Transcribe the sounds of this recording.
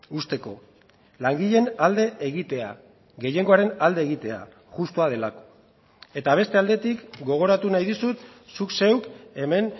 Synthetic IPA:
ust̪e̞ko̞ | laŋɡiʎe̞nald̪e̞ʔːɣ̞it̪e̞a̰ | ɣe̞je̞ŋɡo̞aɾe̞nald̪e̞ːɣit̪e̞a̰ | ɣust̪oað̞e̞lako̥ | e̞t̪aβ̞e̞st̪e̞ald̪e̞t̪ikɡo̞ɣ̞o̞ɾat̪unajðisut̪sukse̞wke̞me̞n

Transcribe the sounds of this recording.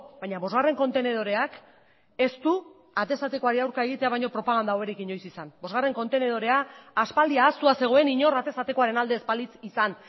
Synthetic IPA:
bajɲaβo̞zɣare̞ŋko̞nt̪e̞ne̞ð̞o̞ɾe̞ak | e̞st̪u | at̪esat̪eko̞aɾiawɾkae̞ɣ̞it̪e̞aβ̞ajɲo̞pɾo̞paɣand̪aoeɾikiɲo̞jsisanbo̞zɣare̞ŋko̞nt̪e̞ne̞ð̞o̞ɾe̞aːspald̪iaːst̪uase̞ɣ̞o̞e̞niɲo̞ɾat̪e̞sat̪eko̞aɾenald̪e̞ːspalit͡sisan

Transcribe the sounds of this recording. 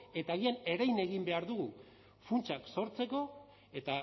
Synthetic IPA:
e̞t̪aːɣiane̞ɾajne̞ɣimbe̞aɾðuɣu | funt͡ʃakso̞ɾt͡se̞ko̞ | e̞t̪a

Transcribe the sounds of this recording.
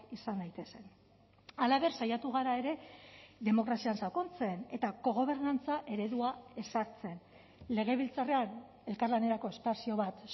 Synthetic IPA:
isanajt̪e̞se̞n | alaβe̞ɾsajat̪uɣaɾae̞ɾe̞ðe̞mo̞kɾasiansako̞nt͡se̞ne̞t̪aɣo̞ɣ̞o̞β̞e̞ɾnant͡saʔe̞ɾe̞ðuae̞saɾt͡se̞n | le̞ɣ̞e̞β̞ilt͡sare̞an | e̞lkaɾlane̞ɾako̞e̞spasio̞βat̪

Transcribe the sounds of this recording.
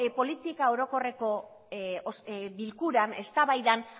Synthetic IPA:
po̞lit̪ikao̞ɾo̞ko̞re̞ko̞ | sbilkuɾane̞st̪aβajðan

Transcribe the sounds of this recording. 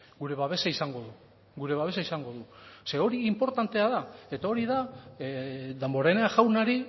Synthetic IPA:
ɡuɾe̞βaβe̞saisaŋɡo̞ðu | ɡuɾe̞β̞aβe̞saisaŋɡo̞ðuse̞o̞ɾiːmpo̞ɾt̪ant̪e̞aðae̞t̪ao̞ɾiða | d̪embo̞ɾeneaʝawnaɾi

